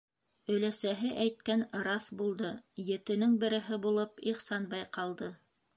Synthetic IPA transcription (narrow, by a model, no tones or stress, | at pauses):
ɵ̆læsæɦɘʔæjt̪̚kænɾɑsbulˠd̪ɤjɘ̆t̪ɘ̆nɘŋbɘ̆ɾɘ̆ɦɘbulˠɤpiχsɑnbɑjqɑlˠd̪ɤ